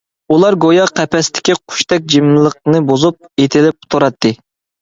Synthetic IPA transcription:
ulˠɑɾɡojɑqʰɛpʰɛst̪ʰɪ̥kʲiqʰʊ̥ʃt̪ɛk̚ʲd͡ʒimlˠəq̚nɨbozup̚et̪ʰɪlɪp̚t̪ʰoɾɑt̪ʰːɨ

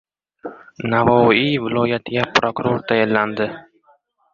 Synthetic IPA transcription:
navɒivɪlˠɒjat̪ʰɪɡʲapɾokʊɾoɾt̪ʰajallːand̪ɪ

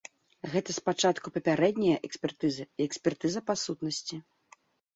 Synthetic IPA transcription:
ɣɛt̪ɐspat͡ʂat̪kupɐpʲaɾɛd̪ʲnʲɐjɐʔɛksʲpʲɛrt̪ɨzɨiɛksʲpʲɛrt̪ɨzɐpasut̪nɐsʲt͡sʲi

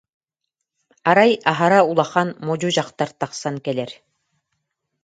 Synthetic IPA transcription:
aɾajaɦaɾaulˠaχanmɔd͡ʑud͡ʑaqt̪aɾt̪aqsankɛlɛɾ

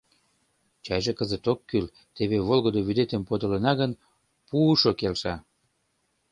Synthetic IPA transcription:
t͡ɕɑjʒekəzət̪okːyl | t̪eβeβolɣəd̪oβyd̪et̪əmpod̪olənɑɣən | puːʃokelʃɑ

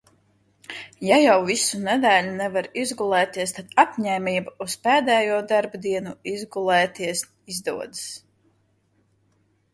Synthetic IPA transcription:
jajawvisunɛd̪æːlʲunɛvaɾizɡulˠɛːt̪iɛst̪ad̪apɲɛːmʲiːbuuspɛːd̪ɛːjuɔd̪aɾbd̪iɛnuizɡulˠɛːt̪iɛs | izd̪ṵɔd̪ɨs

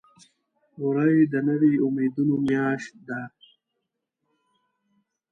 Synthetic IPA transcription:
uɾɐjd̪ɐnɐwiumiːd̪unomjaːɕt̪̚d̪a

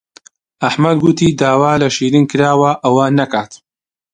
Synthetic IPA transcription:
ʔɐħmɐd̪ɡut̪iːd̪aːwaːlɐʃiːɾɨnkɨɾaːwɐʔɐwɐnɐkaːt̪

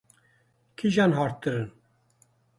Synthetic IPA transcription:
kʰiʒɑːnɦɑːɾt̪̚ɨɾɨn

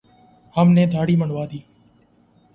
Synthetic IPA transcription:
həmneːd̪ʱaːɽiːməɳʋaːd̪iː

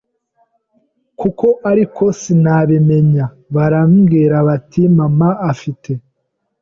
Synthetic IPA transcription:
kuko̞ʔaɾikʰo̞sinaβeme̞ɲa | βaɾamɡeɾaβatimamaːfite̞

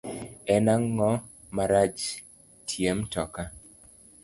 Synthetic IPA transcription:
ɛnaŋːɔ | maɾat͡ʃ | tʰjemtɔka

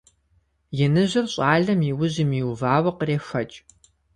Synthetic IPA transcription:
jɛnɨʑɪrɕʼaːɮɐmiwʊʑɪmiːwvaːwɐqəreːxɐt͡ʃʼ

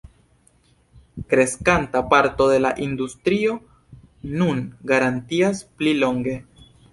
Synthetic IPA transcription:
kɾe̞skantapaɾto̞de̞laʔindustɾio̞ | nunɡaɾantiasplilo̞ŋɡe̞

